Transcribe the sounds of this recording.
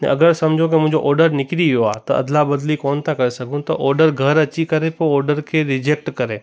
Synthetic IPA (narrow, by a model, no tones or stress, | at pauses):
ɛ̰̃ɐɡəɾsɐmd͡ʒʱok̬imʊ̃ɦɪ̃ɲd͡ʑoʔɔːɾɖəɾnɪkɾiʋijoaːt̪ɐɐ̰d̪labɐd̪likɔːnt̪ʰakɐɾesɐɡʱũt̪ɐʔɔːɾɖəɾɡʱɐɾɐt͡ʃikɐɾepoɔːɾɖəɾkʰeɾɪd͡ʑek̚ʈkɐɾẽː